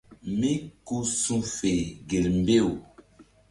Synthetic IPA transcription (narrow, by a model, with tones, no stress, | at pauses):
mĩ˦ku˦sũ˦fe˨ɡe˨lm˨be˦˨w